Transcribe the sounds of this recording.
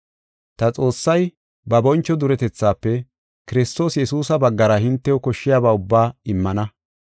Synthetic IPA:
t̪ɐt͡sʼo̞ːsːɐj | bɐbɔnt͡ʃːɔd̪ʊɾɛt̪ɛt͡sːaːpːɛ | kɪɾɪst̪o̞ːsjɛsuːsɐbɐɡːɐɾɐhɪnt̪ːɛwɔkɔʃːɪjaːbaːʊbːaːɪmːɐnɐ

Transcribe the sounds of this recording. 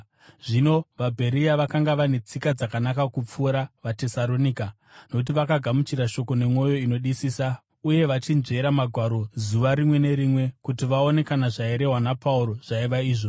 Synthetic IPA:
ʐino̞ʋabʱe̞ɾiaʋakaŋɡaʋane̞t͡sikad͡zakanakakup͡fuɾaʋate̞salo̞nika | no̞kut̬iʋakaɡʱamut͡ʃiɾaʃo̞ko̞ne̞mo̞jo̞ino̞ɗisiːsa | uje̞ʋat͡ʃind͡ʒe̞ɾamaɡʱwaɾo̞zuʋaɾimwe̞ne̞ɾimwe̞kutiʋao̞ne̞kanaʐaeɾe̞ɦwanapauɾo̞ʐ̥aiʋaiːʐo̞

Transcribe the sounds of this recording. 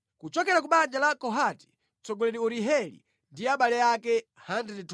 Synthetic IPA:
kut͡ʃɔkɛɾak̬uɓand͡ʒalakɔɦati̥ | t͡sɔɡɔlɛɾiuɾiɦɛlḭ | ndiaɓalɛjakɛhandɛnit

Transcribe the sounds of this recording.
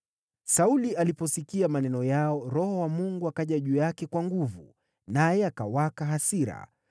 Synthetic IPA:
sauliʔalipɔsikiamanɛnɔjaɔɾɔhɔwamuŋɡuakaʄaʄujakɛkwaŋɡuvu | najɛaka̰wakaɦasiɾa̰

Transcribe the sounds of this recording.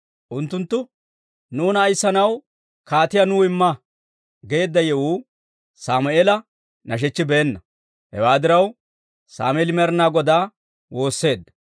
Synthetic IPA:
ʔʊnt̪ːʊnt̪ːʊ | nuːnɐːjsːɐnɐw | kaːt̪ɪjanuːɪmːɐ | ɡe̞ːd̪ːɐjɛwuː | saːmʊeːlɐ | nɐʃ̬ɛt͡ʃːɪbɛːnːɐ | hɛ̰waːd̪ɪɾɐw | sa̰ːmeːlɪmɛɾnaːɡɔd̪aː | wo̞ːsːe̞ːd̪ːɐ̥

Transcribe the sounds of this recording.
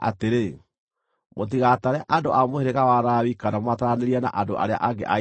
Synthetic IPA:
a̰teɾe | mot̬iɣataɾɛʔandoʔamoheɾeɣawaɾaːwikanamwataɾaneɾiana̰ʔandoʔa̰ɾea̰ʔaɡḛʔa

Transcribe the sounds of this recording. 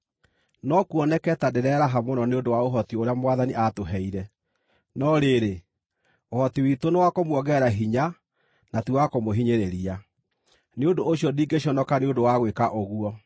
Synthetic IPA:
nɔkuɔnɛkɛtadeɾɛɾaɦamonɔneondowaoɦɔtioɾeamowaðaniʔatoɦɛiɾɛ | nɔɾeɾe | ohɔtiwitonewakomwɔɣɛɾaɦiɲa | natuwakomoɦiɲeɾeɾia | neondoːɕjɔdiːŋɡeɕjɔnɔkaneondowaɣwekaʔoɣuɔ

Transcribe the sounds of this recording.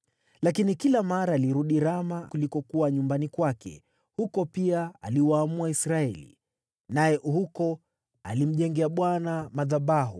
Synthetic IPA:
lakinikilamaɾaːliɾuɗiɾamakulikɔkuwaɲumbanikwakɛ̰ | hukɔpiaaliwaːmuaisɾaɛlḭ | najɛʔuhukɔ | a̰lim̩ʄɛŋɡɛaɓwanamaðaɓaɦṵ

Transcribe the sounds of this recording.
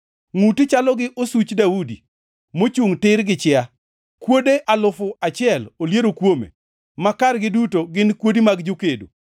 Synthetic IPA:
ŋutit͡ʃalɔɡɪʔosut͡ʃdaudḭ | mot͡ʃuŋtɪɾɡɪt͡ʃɪa | kwodeʔalʊfʊat͡ʃɪɛloljeɾokwomḛ | makaɾɡɪdutoɡɪnkwodimaɡd͡ʒokedṵ

